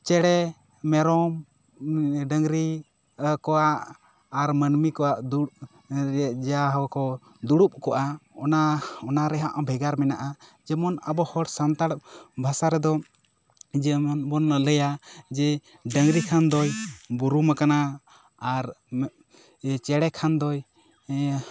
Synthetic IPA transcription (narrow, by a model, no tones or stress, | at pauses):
t͡ʃɛɽɛ | mɛɾɔm | ɖəŋɾi | kɔwaʔː | ɾmənmikɔwaʔd̪u | ɾaʔd͡ʒɛaɦwakɔ | d̪uɽup̚kɔʔaɔnaɔnaɾɛɦaʔabʱɛɡaɾmɛnaʔad͡ʒɛmɔnabɔhɔɽsant̪aɽbʱasaɾɛd̪ɔ | d͡ʒɛmɔnbɔnləjad͡ʒɛ | ɖəŋɾikʰand̪ɔjbuɾumakana | aɾ | t͡ʃɛɽɛkʰand̪ɔj